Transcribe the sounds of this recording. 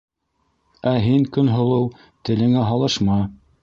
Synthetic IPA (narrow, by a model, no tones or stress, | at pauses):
æɦiŋkɵnɦŏlˠɤw | t̪ɘ̆lɘ̆ŋæɦɑlˠɤʃmɑ